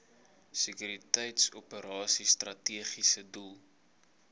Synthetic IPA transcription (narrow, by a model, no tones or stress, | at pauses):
səkyɾitɛjtsupəɾɑːsistrɐtiəχisədulˠ